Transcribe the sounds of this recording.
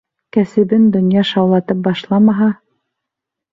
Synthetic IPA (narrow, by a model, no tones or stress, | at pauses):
kæsɘ̆bɘnd̪ŏnjɑʃɑwlˠɑt̪ɤp̚bɑʃlˠɑmɑɦɑ